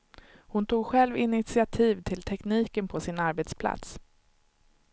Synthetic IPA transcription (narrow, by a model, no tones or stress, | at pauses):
hʊnt̪ʰuːɡɧɛlvɪnɪt̪sɪat̪ʰiːvt̪ʰɪlt̪ʰɛkniːkənpʰɔsɪnaɾbɛt̪spʰla̰t̪s